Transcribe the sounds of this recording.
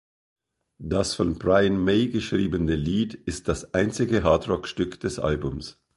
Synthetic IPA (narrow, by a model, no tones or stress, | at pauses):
d̥asfɔnb̥ʁaɪənmeɪɡəʃʁ̥iːbənəliːdɪst̚d̥asʔaɪnt͡sɪɡəɦaːtʁɔkʃtʏkd̥ɛsʔa̰lbʊms